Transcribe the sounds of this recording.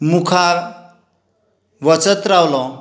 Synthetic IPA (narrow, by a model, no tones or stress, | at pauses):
mukʰa | ʋət͡sət̪ɾawlɔ